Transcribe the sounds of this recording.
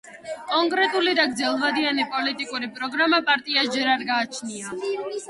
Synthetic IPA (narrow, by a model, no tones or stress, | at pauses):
kʼɔŋkʼɾɛt̪ʼulid̪aɡd̪zɛlˠvad̪ianipʼɔlit̪ʼikʼuɾipʼɾɔɡɾamapʼaɾt̪ʼiaʃd͡ʒɛɾaɾɡaːt͡ʃʰnia